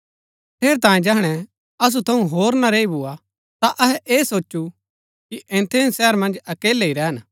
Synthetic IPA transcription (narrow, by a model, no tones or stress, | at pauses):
ʈʰeːɾet̪ãːjẽd͡ʒɛɦɽ̃ɛ | ɐs̬ut̪ʰɐũɦoːɾnaɾeːibʊa | t̪aʔɐɦɛʔeːsoːt͡ʃːu | kiʔɛ̃ːnt̪ʰeːnsɛːɾmɐ̃nd͡ʒɐkeːleiɾɛːɦən